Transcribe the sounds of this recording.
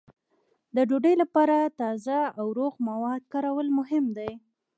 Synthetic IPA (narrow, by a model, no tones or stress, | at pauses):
d̪əɖoɖəjlapɑɾat̪ɑzaawɾoɣmawɑd̪̚kɑɾawəlmʊɦɪmd̪aj